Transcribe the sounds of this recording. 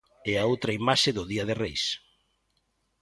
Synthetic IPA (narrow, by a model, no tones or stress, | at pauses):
eaowt̪ɾɐimaʃɪðʊðiɐðɪrejs